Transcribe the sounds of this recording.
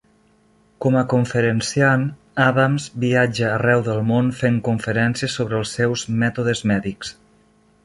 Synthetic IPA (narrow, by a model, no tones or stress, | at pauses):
kɔməkuɱfəɾənsian | aðamzbiad͡ʒəːrɛwðəlˠmonfeŋkuɱfəɾɛnsiəsoβɾəːlˠsːɛwzmɛt̪uðəzmɛðiks